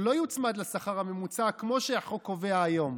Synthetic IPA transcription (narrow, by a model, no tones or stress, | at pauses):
lo̞jut͡smad̪lesaχaʁhame̞mut͡sakmo̞ʃeaχokoveaːjo̞m